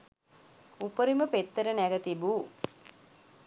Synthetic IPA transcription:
upəɾiməpet̪ːəɾənæɡət̪ibuː

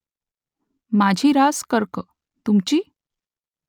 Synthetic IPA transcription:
mad͡ʑʱiːɾaskəɾkə | t̪umt͡ɕiː

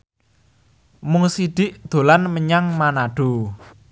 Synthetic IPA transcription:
mʊŋsiɖ̪̥ɪʔd̪̥o̤lanməɲaŋmanaɖ̥o̤

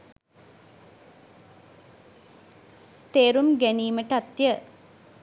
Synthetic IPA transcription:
t̪eːɾumɡæniːməʈat̪jə

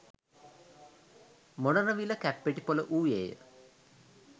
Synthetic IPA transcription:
monənəʋiləkæpːeʈipoləʔuːjejə̰

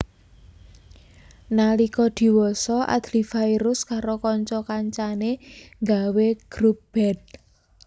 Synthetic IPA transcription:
nalikɔd̪̥i̤wɔsɔʔa̰d̪̥lifajɾʊskaɾokɔɲt͡ʃɔkaɲt͡ʃaneŋɡaweɡ̥ɾup̚b̥ɛd̚

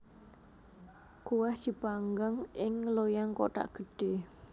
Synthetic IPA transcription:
kuwɛhd̪̥i̤paŋɡaŋɪŋlojaŋkoʈ̪a̰ʔɡ̥ə̤ɖ̥e

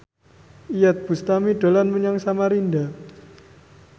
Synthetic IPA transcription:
ijat̪̚b̥ṳst̪amiɖ̥olanməɲaŋsamaɾinda

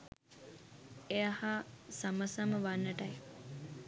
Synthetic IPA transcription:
ejahasaməsaməʋanːəʈɐj

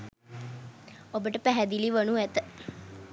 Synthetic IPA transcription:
obəʈəpɛɦɛd̪iliʋənuɛt̪

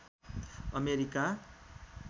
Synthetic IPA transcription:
ʌmeɾika

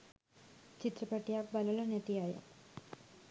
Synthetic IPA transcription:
t͡ɕit̪rɐpeʈːijaːkbɐlɐlɐnet̪ːijaːjɐ̰

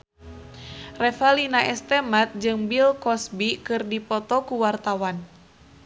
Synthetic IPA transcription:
rɛfalinaʔɛst̪ɛmat̪̚d͡ʒɨŋbilkɔsbikɨrdipɔt̪ɔkuwart̪awan

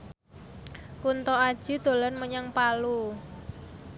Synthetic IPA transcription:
kunt̪ɔad̥ʒ̥i̤d̪̥o̤lɔnməɲaŋpalu

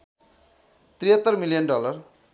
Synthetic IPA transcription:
t̪riɦʌt̪ːʌrmilijʌnɖʌlʌr

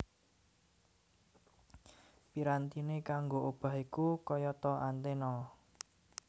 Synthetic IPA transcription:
piɾant̪inekaŋɡoʔob̥a̤ɦikukɔjɔt̪ɔʔant̪enɔ

